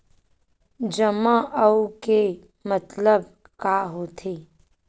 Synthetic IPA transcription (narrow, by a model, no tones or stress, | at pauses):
d͡ʒəmãʔəuke | mət̪ləb | kaːɦoːt̪ʰeː